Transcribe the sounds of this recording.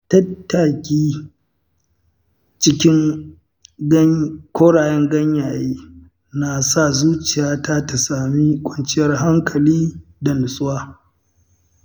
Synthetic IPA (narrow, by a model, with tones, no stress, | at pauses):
tɐ˦tːa˨kʲiː˦ | t͡ʃɪ˦kʲɪ˦ŋ | ɡkʷoː˦ɽaː˨jɛ˦ŋɡɐ˦ɲjaː˨jiː˦ | na˨sa˦˨zuː˦t͡ʃɪ˨jaː˦ta˦ta˨saː˨mi˦kʷʼɔ˦nt͡ʃɪ˦jɐ˦rɦa˦ŋkʰɐ˨liː˦da˨nʊ˨sʼʊ˦waː˦